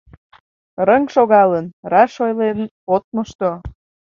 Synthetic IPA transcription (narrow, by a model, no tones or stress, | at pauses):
rəŋʃoɣɑlənɾɑʃojlen | ot̪̚məʃt̪o